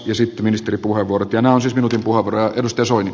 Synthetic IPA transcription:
jɑsit̪ːeminist̪eripuheʋːuorot̪jɑnæːonsiːsminut̪impuhɑʋurɑjɑedust̪ɑjɑsoini

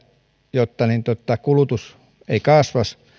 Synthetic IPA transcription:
jot̪ːɑnint̪ot̪ːɑkulut̪us | eikɑˑsʋɑs

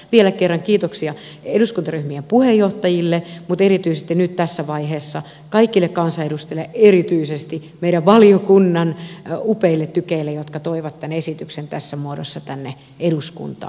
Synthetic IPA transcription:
ʋielækerːɑŋkiːt̪oksiɑ | eduskunt̪ɑryhmiempuhejoht̪ɑjilːemut̪erit̪yisest̪inyt̪t̪æsːæʋɑiheːsːɑ | kɑikːilːekkɑnsɑeɾust̪elːeʔerit̪yisest̪imeiɾæʋʋɑljokunːɑnupeilːet̪t̪ːykeilːejot̪kɑt̪oiʋɑt̪tænesit̪yksent̪æsːæmuodo̰sːɑt̪ænːe | eduskṵnt̪ɑ̰ː

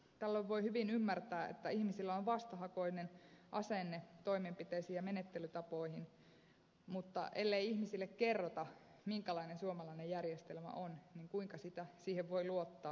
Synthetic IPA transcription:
t̪ælːoʋʋoihyʋinymːært̪æːḛt̪ːæihmisilːæoʋʋɑst̪ɑhɑkoinenʔɑsenːet̪o̞imempit̪eisiːjɑmenet̪ːelyt̪ɑpoihin | mut̪ːɑ̰ʔelːeiihmisilːekkerːot̪ɑ | miŋkælɑinensuomɑlɑinejjærjest̪elmæ̰ʔonniŋkuiŋkɑsit̪æsiːheʋʋoiluot̪ːɑː

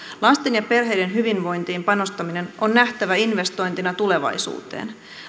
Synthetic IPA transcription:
lɑst̪enjɑpe̞rɦe̞jde̞nɦyʋinʋo̞jnt̪iːmpɑno̞st̪ɑmine̞nʔonːæht̪æʋæinʋe̞st̪o̞jnt̪inɑt̪ule̞ʋɑ̰jsṵːt̪ḛːn

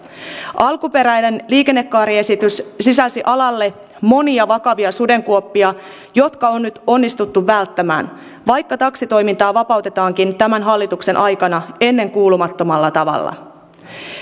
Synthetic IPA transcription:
ʔɑlkupe̞ɾæjne̞nliːke̞nːe̞kːɑːɾie̞sit̪yssisæsiʔɑlɑlːe̞ | mo̞niɑʋɑkɑʋiɑsude̞ŋkuopːiɑ | jo̞t̪kɑonːyt̪o̞nːist̪ut̪ːuʋːælt̪ːæmæ̰ːn | ʋɑjkːɑt̪ɑksit̪o̞jmint̪ɑːʋɑpɑwt̪et̪ɑːŋkint̪æmænɦɑlːit̪ukse̞nʔɑjkɑnɑe̞nːe̞ŋkuːlumɑt̪ːo̞mɑlːɑt̪ɑʋɑ̰lːɑ̰

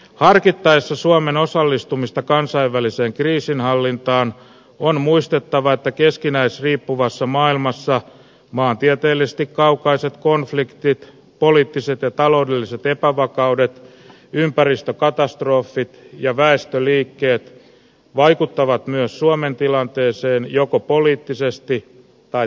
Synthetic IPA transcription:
hɑrkit̪ːɑesːɑsuomeno̞sɑlːist̪umist̪ɑkɑnsɑiʋʋæliseːŋkriːsinhɑlːint̪ɑːn | onmuist̪et̪ːɑʋɑet̪ːækeskinæesriːpːuʋɑsːɑmɑːilmɑsːɑ | mɑːnt̪iɛt̪e̞ːlːises̆t̪ikkɑukɑiset̪konflikt̪it̪ | poliːt̪ːiset̪jɑt̪ɑlo̞udelːiset̪epæʋɑkɑudet̪ | ympærist̪økɑt̪ɑst̪roːfːit̪jɑʋæest̪øliːkːe̞ːt̪ | ʋɑikut̪ːɑʋɑt̪myøssuoment̪ilɑnt̪eːseːnjokopoliːt̪ːisest̪i | t̪ɑ

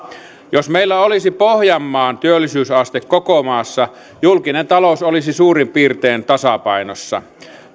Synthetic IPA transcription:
josmeilːæolisipohjɑmːɑːnt̪yølːˑisyːsɑst̪ekkokomɑːsːɑ | julkinent̪ɑlosolisisuːrimpiːrt̪eːnt̪ɑsɑpɑinosːɑ̰

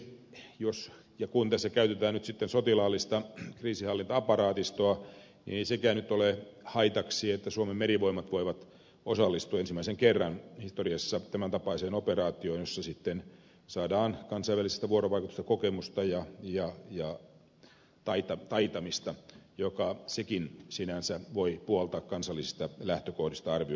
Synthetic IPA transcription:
jos | jɑkunt̪æsːækæyt̪et̪æːnyt̪sit̪ːensot̪ilɑːlːist̪ɑkriːsihɑlːint̪ɑɑpɑɾɑːt̪ist̪oɑ | nḭeisekæːnyt̪ːolehɑit̪ɑksiːet̪ːæsuomemmeɾiʋoimɑt̪ʋoiʋɑt̪ | osɑlːist̪uɑensimːæiseŋkerːɑnhist̪oriɑsːɑt̪æmænt̪ɑpɑiseːnoperɑːt̪ioinjosːɑsit̪ːen | sɑːdɑːnkɑnsɑiʋælise̥st̪æʋuoɾoʋɑikut̪u̥st̪ɑ̥kokemust̪ɑjɑjɑjɑ | t̪ɑit̪ɑt̪ɑit̪ɑmist̪ɑjokɑsekinsinænsæʋoipuolt̪ɑːkkɑnsɑlːisist̪ɑlæht̪økohdist̪ɑɑrʋi

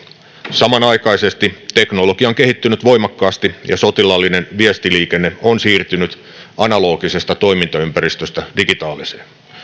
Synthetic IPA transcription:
sɑmɑnɑjkɑise̞st̪it̪e̞knoloɡ̥iɑoŋke̞ɦit̪ːynyt̪ʋo̞jmɑkːɑːst̪ijɑso̞t̪ilɑlːine̞nʋiest̪iliːkenːe̞onsiːrt̪ynyt̪ | ɑnɑlo̞ːɡise̞st̪ɑt̪o̞imint̪ɑympæɾist̪øst̪ædiɡit̪ɑːliseːn

